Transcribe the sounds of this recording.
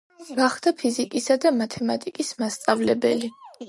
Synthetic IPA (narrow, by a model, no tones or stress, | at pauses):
ɡ̥aχd̪apʰizikʼisad̪amat̪ʰɛmat̪ʼikʼismast̪sʼavlɛbɛli